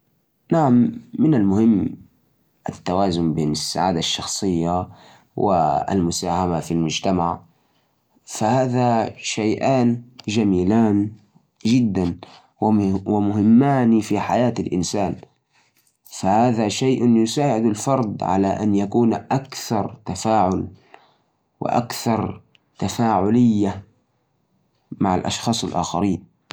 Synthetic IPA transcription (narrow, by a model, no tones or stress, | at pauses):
naʕamːɪnalmʊhɪmː | ʔat̪ːawaːzʊmbeːnasːa̰ʕaːd̪aʃːɑxsˤɨjːa | wɪ̰a̰lmʊsaːhamafilmʊd͡ʒt̪amaʕ | fahaːðaʃajʔaːnd͡ʒamiːlaːn | d͡ʒɪd̪ːan | wwɪmʊɦɪmːaːnfiħajaːt̪alʔɪ̰nsaːn | fahaːðaʃajʔʊnjʊsaːʕɪd̪alfɑɾˤd̪ʕa̰laʔanjakuːnʔakθɑɾˤt̪afaːʕʊl | wɪ̰ʔa̰kθɑɾˤ | t̪afaːʕʊlɪjːa | maʕa̰lʔɑ̰ʃxɑːsˤɪlʔa̰ːxa̰ɾiːn